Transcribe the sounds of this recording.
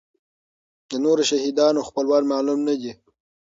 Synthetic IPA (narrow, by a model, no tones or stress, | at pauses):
d̪ənoɾoʃahid̪ɑnoxpəlwɑnmɑlumnad̪i